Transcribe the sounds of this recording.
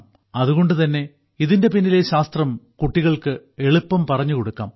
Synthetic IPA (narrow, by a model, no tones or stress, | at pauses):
ɐðuɣo̞ɳɖɨt̪ɐnːe̞ | iðinde̞pinːileɕaːst̪rɐmkuʈːiɣɐɭkɨe̞ɭupːɐmpɐrɐɲːuko̞ɽukːa̰ːm